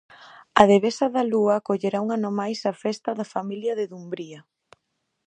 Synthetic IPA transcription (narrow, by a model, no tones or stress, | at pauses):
ɐðeβesɐðɐluɐkoʎeɾauŋanomajsɐfɛst̪ɐðɐfamiljɐðɪðumbɾiɐ